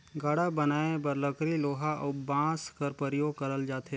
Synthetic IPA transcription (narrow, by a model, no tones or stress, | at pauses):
ɡaːɽabɐnaːebəɾləkɾiloːɦaʔobãːskəɾpəɾjoːɡkɐɾəld͡ʒaːt̪e